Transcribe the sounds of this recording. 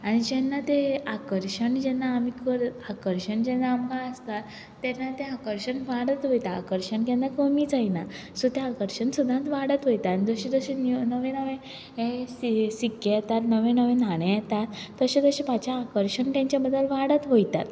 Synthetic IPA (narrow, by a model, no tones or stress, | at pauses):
aɽ̃id͡ʑɛnːat̪eakəɾɕəɳd͡ʑɛnːaːmikəɾakəɾɕəɳd͡ʑɛnaːmkãəst̪at̪ː | ɛnːat̪eakəɾɕəɳʋaɽət̪ʋojt̪a̰ːkəɾɕəɳkɛ̃nd̪akəmiːd͡zaina | sot̪eakəɾɕəɳsud̪ʱãt̪ʋaɽət̪ɦojt̪aːɽ̃nid͡zəɕed͡z̪əɕennəʋẽnəʋẽ | esikːejɛt̪at̪nəʋẽnəʋẽnaɽ̃ẽjɛt̪at̪ːəɕet̪əɕepat͡ɕaːkəɾɕəɳt̪jãɲt͡ɕjabəd̪ʱːəlʋaɽət̪ɦojt̪at̪